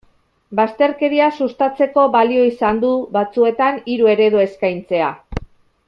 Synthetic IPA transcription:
bast̪e̞ɾke̞ɾiasust̪at͡se̞ko̞βalio̞isand̪uβat͡sue̞t̪aniɾue̞ɾe̞ðue̞skajnt͡se̞a

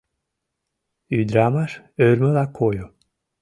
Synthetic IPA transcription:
yd̪ɾamaʃ | øɾməlakʰojo

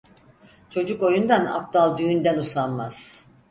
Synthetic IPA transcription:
t͡ʃʰo̞d͡ʒuko̞jund̪ana̰p̚d̪alˠd̪yjynd̪ænusanmaz̥

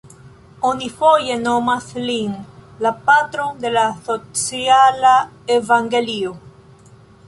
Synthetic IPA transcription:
onifojenomaθliŋlapat̪ɾond̪elasot͡sjala | evaŋɡelio

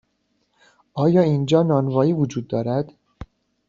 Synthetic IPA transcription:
ʔɒːjɒːind͡ʒɒːnɒːnvɒːiːvod͡ʒuːd̪ːɒːɾæd̪̥

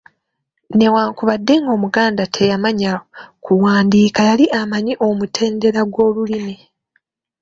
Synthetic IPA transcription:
ne̞waːŋkuβadːe̞ŋɡo̞ːmuɡaːndatʰe̞jamaɲaokʰuwaːndiːkajaliʔamaɲiʔo̞mutʰe̞ːnde̞ɾaɡwo̞ːlulimi

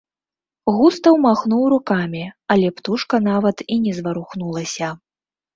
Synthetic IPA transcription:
ɣust̪ɐwmaxnuwrukamʲiɐlʲɛpt̪uʂkɐn̪avɐt̪inʲɛzvɐɾuxnulˠɐsʲɐ

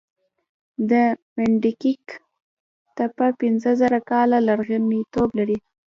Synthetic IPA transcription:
d̪əmɪɳɖikik | t̪apapɪnzəzaɾakɑlalaɾɣanit̪oblaɾi

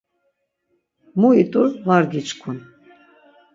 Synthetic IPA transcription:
muit̪ʼuɾvaɾɡit͡ʃkʰun

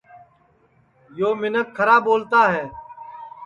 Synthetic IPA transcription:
joːmɪnəkʰːəɾaːboːlt̪aːɦɛː

